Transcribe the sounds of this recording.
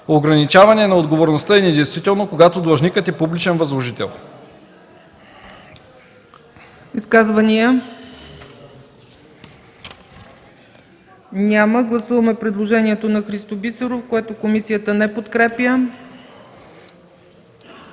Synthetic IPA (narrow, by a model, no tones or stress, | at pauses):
oɡɾɐnit͡ʃavɐnɛnɐod̪ɡovoɾnost̪əɛnɛd̪ɛjst̪vit̪ɛlˠnokoɡat̪od̪lˠɐʒnikət̪ɛpublit͡ʃɛnvɐzlˠoʒit̪ɛ̰lˠ | iskazvəniə | nʲaməɡlˠɐsuvɐmɛpɾɛd̪lˠoʒɛnʲiɛt̪onɐxɾist̪obisɛɾofkoɛt̪okomisijət̪ənɛpot̪kɾɛpʲjə